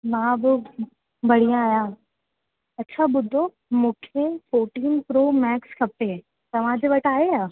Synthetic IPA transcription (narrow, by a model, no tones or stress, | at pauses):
mãːbɪ | bɐɽ̤ijãaːjã | ɐtːɕʰaɓʊd̪ʱo | mũːkʰefoːɾʈiːnpɾoːmɛːkskʰɐpe | t̪ɐʋ̤ãd͡ʑeʋɐʈʰaːɦeaː